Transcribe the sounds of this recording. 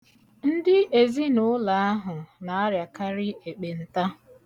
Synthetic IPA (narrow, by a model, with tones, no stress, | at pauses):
n̩˦dɪ˦e˨zi˦nʊ˦la˨a˦ɦʊ˨na˨a˦ɾja˨ka˦ɾɪ˦e˨k͡pe˨n̩˨ta˦